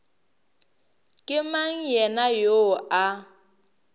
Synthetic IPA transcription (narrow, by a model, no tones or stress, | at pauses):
kʼɪmaŋ̩jɛnajoa